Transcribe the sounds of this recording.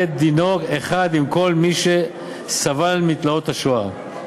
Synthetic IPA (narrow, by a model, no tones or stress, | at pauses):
et̚d̪ino̞ɡeχad̪imko̞lmiʃe | savalmit̪lao̞t̪haʃua